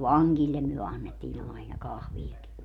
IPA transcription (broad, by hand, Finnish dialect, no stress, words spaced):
ʋɑŋɡ̊ilːem myø ɑnːetːiːn ɑinɑ kɑhʋijɑki